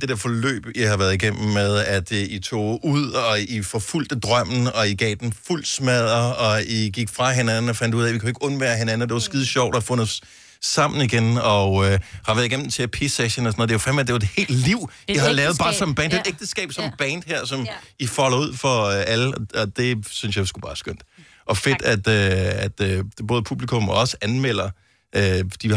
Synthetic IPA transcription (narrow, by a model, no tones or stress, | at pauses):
d̥e̝d̥e̝ɐfɒ̽lø̰ːb̥ihɑ̈ʋæɐðˠiɡ̥em̰m̩ːeð̞ˠæd̥it͡sʰo̝̰ːuð̰ˠɒ̽ifɒ̽ful̰d̥əd̥ʁɶm̰n̩ɒ̽iɡ̥ɛ̰ːd̥enful̰smɛð̞̰ˠɐɒ̽iɡ̥iɡ̥fʁɑ̈ɦe̝nænn̩ɒ̽fænd̥uð̰ˠɛʋikʰue̝ɡ̥əɔ̽nʋæːɐɦe̝nænəd̥e̝ʋɑ̈sɡ̥iðˠɕɒʊ̰d̥ɒfɔ̽nɒs | sɑ̈m̰n̩iɡ̥enɒhɑ̈ʋæɐðˠiɡem̰m̩t͡sʰe̝pʰe̝seɕənɒsnoð̩ˠdeʋfæmed̥e̝ʋɑed̥he̝̰ːld̥liʊ̰ | iɦɑ̈lɛːʊð̞̩ˠb̥ɑ̈ːsɒ̽m̩b̥ɛːnd̥ed̥eɡ̥̚d̥əsɡ̥ɛ̰ːb̥sɒ̽mb̥ɛnd̥heɐ̰sɒ̽mifɒlɐuð̞̰ˠfɒ̽øʔæləɒɒ̽d̥e̝synsjɑ̈ɪsɡ̥u̥ɑ̈ːsɡ̥øn̰d̥ | ʔɒ̽fe̝d̥æd̥øæd̥ø̥b̥ɔːð̞ˠpʰub̥likʰɔ̽mɒɒ̽səænmel̰ɐ | ʔød̥i